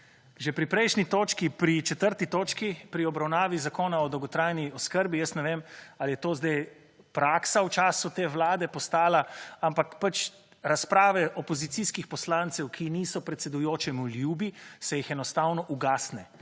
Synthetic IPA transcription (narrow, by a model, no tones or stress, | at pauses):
ʒɛpɾipɾɛjʃnit̪oːt͡ʃkipɾit͡ʃɛt̪əɾt̪it̪oːt͡ʃkipɾiɔbɾawnaːʋizakoːnaɔd̪ɔwɡɔt̪ɾajniɔskəɾbijəst̪nɛʋeːmaljɛt̪oːzd̪aj | pɾaːksawt͡ʃaːsut̪eːʋlaːd̪ɛpɔst̪aːlaampakpat͡ʃ | ɾaspɾaːʋɛʔɔpɔzit̪siskixpɔslaːnt̪sɛwkʰiniːsɔpɾɛt̪sɛd̪ujoːt͡ʃɛmuljuːbisɛjixɛnɔst̪awnɔʔuɡaːsnɛ